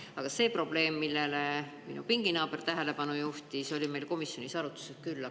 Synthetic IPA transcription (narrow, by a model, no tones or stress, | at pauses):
ɑɡ̥ɑse̞ːpro̞b̥le̞ːmːilːe̞leminṵpiŋɡ̥inɑːb̥ert̪æɦe̞le̞pɑnujuht̪iso̞lʲime̞jlko̞misjo̞nisɑɾut̪ːˑu̥seskylːɑ